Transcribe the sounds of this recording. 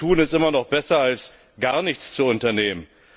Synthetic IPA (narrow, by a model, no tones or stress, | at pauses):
uːnɪstʔɪmɐnɔχb̥ɛsɐals | ɡ̥aɐnɪçt͡st͡suʊntɐneːmən